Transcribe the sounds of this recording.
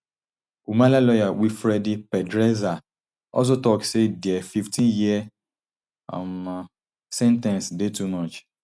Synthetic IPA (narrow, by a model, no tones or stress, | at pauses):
umãlalɔjawifɾɛdipɛdɾɛza | ɔ̰s̬otɔksediɛfiftʰĩnjiɛ | a̰m | sɛ̃ntɛ̃nsdetumɔt͡ʃ